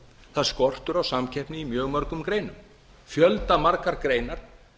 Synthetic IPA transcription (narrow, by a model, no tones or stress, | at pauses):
θaðskɔr̥t̪ʏɾawsamcʰɛhpnɪimjœːɣmœɾkʏmkɾeːjnʏm | fjœlt̪amaɾkaɾkɾeːjnaɾ̥